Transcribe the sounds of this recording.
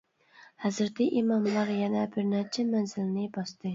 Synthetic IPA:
hæzɾt̪ʰiʔimɑmlˠɑɾjɛnɛbɪɾnæt͡ʃʰɛmænzɪlnɪbɑst̪ʰɨ

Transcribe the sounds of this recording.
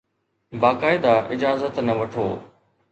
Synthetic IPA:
baːkaːɪd̪aʔɪd͡ʒaːzət̪nɐʋɐʈʰo̰ː

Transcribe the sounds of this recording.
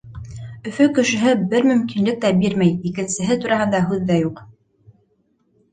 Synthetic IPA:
ɵ̆fɵkɵ̆ʃɘ̆ɦɘbɘɾmɵ̆mkinlɘk̚t̪æbiɾmæjikɘ̆nsɘ̆ɦɘt̪uɾɑɦɤnd̪ɑɦʉðːæjuq

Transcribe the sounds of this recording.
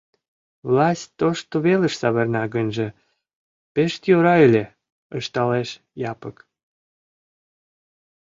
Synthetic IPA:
vlɑsʲt̪̚ʲːoʃt̪oβelə̆ʃsɑβərnɑɣənʲʒĕ | peʃt̪joɾɑelʲe | əʃt̪ɑleʃ | jɑpək

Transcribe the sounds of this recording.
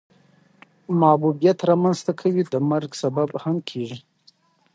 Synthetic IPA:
mɑbubijat̪ɾɑmanzt̪akʰawid̪əmaɾɡsababhamkʰeʐi

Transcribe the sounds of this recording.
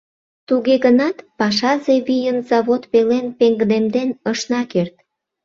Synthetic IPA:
t̪uɣeɣənɑt̪pɑʃɑzeβijənzɑβot̪pelenpeŋɡd̪emd̪enəʃnɑkert̪̚

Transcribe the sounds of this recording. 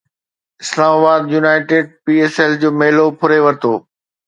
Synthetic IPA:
ɪslaːmaːbaːd̪junaːɪʈeːɖ̚piːeːsɛld͡ʑoːmeɦlopʰʊɾeʋɐɾt̪oː

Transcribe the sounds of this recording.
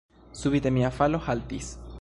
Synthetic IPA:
suβit̪emiafalohalt̪is

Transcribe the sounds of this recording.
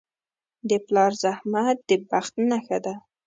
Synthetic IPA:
d̪əplɑɾzahmat̪̚d̪̥əbaxt̪naxad̪a

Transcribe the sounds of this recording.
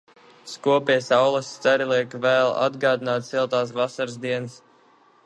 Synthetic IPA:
skuɔpiɛsawlˠasːt̪aɾilˠiɛkvɛːlˠa̰d̪ɡɑːd̪inaːt̪silˠt̪aːs̬vasaɾzd̪iɛns

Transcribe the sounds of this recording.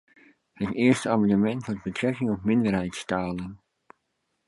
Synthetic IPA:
hətɪəɹstəamɑndəmɛntmʊt̚bətrɛkɪŋɔpmɪndərɦɛjtstaːlən

